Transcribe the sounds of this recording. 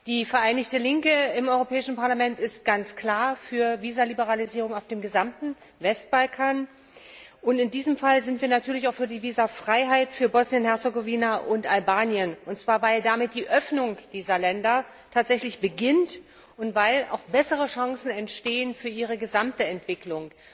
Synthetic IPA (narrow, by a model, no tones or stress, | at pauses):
d̥iːfɛɐʔaɪnɪçtəlɪŋkəɪmʔɔʏʁopʰɛːɪʃn̩paɐlamɛntɪst̚ɡ̥ant͡skl̥aːɐfyːɐviːzalibəʁaliziːʁ̞ʊŋaʊfd̥eːmɡəzamtn̩ | vɛst̚b̥alkʰaːn | ʔʊntɪndiːzəmfalzɪntv̥iːɐnatʰyːɐlɪç̬aʊfyːɐdiːviːzafʁ̥aɪɦaɪtfyːɐbɔsnjənhɛɐt͡səɡoviːnaʔʊntʔalbaːnjənʔʊntt͡sv̥aːɐvaɪldamɪt̚d̥iːʔœfnʊŋd̥iːzɐlɛndɐ | tʰaːtz̥ɛçlɪçb̥əɡɪnt | ʊntv̥aɪla̰ʊxb̥ɛsəʁəʃaŋsn̩ɛntʃteːənfyːɐʔiːʁ̞əɡəzamtəɛntv̥ɪklʊŋ